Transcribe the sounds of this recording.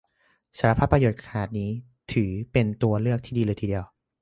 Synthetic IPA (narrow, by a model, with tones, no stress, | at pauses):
saː˩˦ɾa˧pʰaː˦˥˩pːɾa˧joː˨˩t̪̚kʰaː˨˩t̪̚niː˦˥ | t̪ʰɯː˩˦pe˧nt̪u˧ɐlɯ˥˩ək̪̚ʰiː˥˩diː˧lɤː˧jt̪ʰiː˧di˧əw